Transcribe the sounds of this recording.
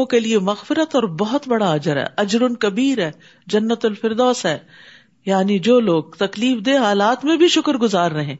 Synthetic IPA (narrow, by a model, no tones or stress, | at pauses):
õkeliemɐɣfɪɾət̪ɔːɾbɔɦʊt̪bɐɽaɐd͡ʒəɾɦɛ̰ːʔɐd͡ʒɾʊnkɐbiːɾɦɛː | d͡ʒɐnːət̪ʊlfɪɾd̪ɔːsɦɛː | jaːnid͡ʒoːloːɡ̚t̪ɐkliːfd̪eɦaːlaːt̪mẽbʱiʃʊkəɾɡʊzaːɾːɐɦẽː